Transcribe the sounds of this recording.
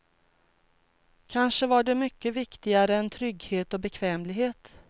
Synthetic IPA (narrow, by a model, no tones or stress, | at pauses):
kʰanʂəvaɖɛmʏkːəvɪkt̪ɪɡaɾəɛnt̪ʰɾʏɡːheːt̪ɔbɛkʰvɛːmlɪɡɦeːt̪